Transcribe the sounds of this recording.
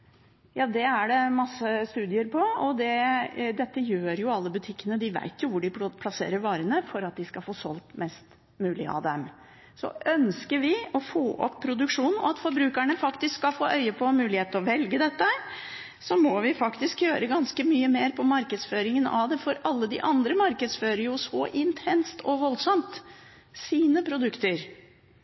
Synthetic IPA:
jɑːd̪ɛæɖɛmɑsːəst̪ʉːd̪ɪəɾpʰɔɔd̪ɛd̪ɛt̪ːəjøːɾjʊɑlːəbʉt̪ʰɪkːənəd̪ɪʋæ̰ɪt̪jʊʋʊɖɪpʰlɑsḛːɾəɾʋɑːɾənəfɔɾɑt̪̚d̪ɪskɑlfoːsɔlt̪mɛst̪ | mʉːlɪ̰ɑ̰d̪ɛm | sɔ̰œnskəʋɪɔfoːʔɔ̰pʰːɾʊd̪ʉkʂuːnn̩ɔ̰ɑt̪fɔɾbɾʉːkæɳəfɑkt̪ɪskskːɑfoːʔœʏəpʰɔmʉːlɪheːt̪ɔʋɛlɡəd̪ɛt̪ːəɾ | sɔmɔʋɪfɑkt̪ɪskjøːɾəɡɑnskəmyːəmeːɾpʰɔmɑɾkəd̪sføːɾɪŋənɑ̰ʋd̪ɛfɔɾɑlːəd̪ɪ̰ʔɑnd̪ɾəmɑɾkəd̪sføːɾəɾjʊsɔʔɪnt̪ʰɛnst̪ʰɔʋɔlsɔmt̪ | siːnəpʰɾʊd̪ʉkt̪əɾ

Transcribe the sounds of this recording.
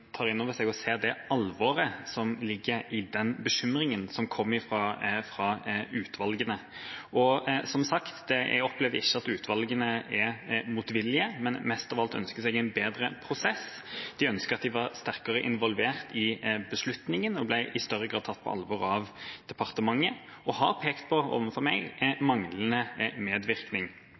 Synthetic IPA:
t̪ʰɑːʁɪnːoːʋəsɛɡɔseːd̪ɛɑlʋɔːɾəsɔmlɪɡːəɾɪd̪ɛnbəɕʏmɾɪŋənsɔmkʰɔmːɪfʁɑfʁɑʉːt̪ʰʋɑlɡənəʔɔsɔmsɑkt̪d̪̥ɛ̰ɔplɛːʋd̪əɪçːəɑt̪ʉːt̪ʰʋɑlɡənəɛmuːt̪ʋɪlːɪəmɛnmɛst̪ɑːʋɑlt̪œ̰nskəsɛɡæɪnbeːd̪ɾəpʰɾʊsɛs | d̪̥ɪœnskəɾɑt̪̚d̪ɪʋɑʁst̪æʁkəɾəʔɪnʋɔlʋeːɾt̪ɪbəslʉt̪nɪŋənɔblæɪʔɪst̪œɾːəɡɾɑːd̪̚ʰɑt̪̚ːpʰɔ̰ʔɑ̰lʋɔɾɑʋd̪̥ɛpɑʁt̪əmɑŋːə | ʔɔhɦɑɾpʰeːkt̪̚pʰɔo̰ːʋənfɔɾmɛɡmɑŋlənəmeːd̪ʋɪʁknɪŋ

